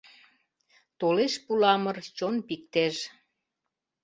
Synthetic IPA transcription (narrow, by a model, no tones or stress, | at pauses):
t̪oleʃpulɑmərt͡ɕonpik̚t̪eʃ